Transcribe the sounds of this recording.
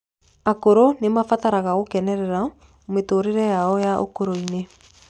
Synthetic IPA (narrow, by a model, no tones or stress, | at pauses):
akoɾonemafataɾaɣaɣokɛnɛɾɛɾa | ometoːɾeɾɛjaɔjaʔo̰koɾoine